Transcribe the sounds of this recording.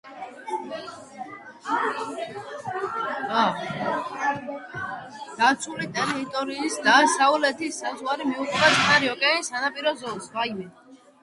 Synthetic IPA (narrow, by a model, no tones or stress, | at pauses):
a | d̪̥at̪sʰulit̪ʼɛlɛit̪ʼɔɾiːsd̪asaulɛt̪ʰisːazuwaɾimiuχd̪asʰʼnaɾiɔkʼɛanisanapʼiɾɔzɔlˠsaimɛ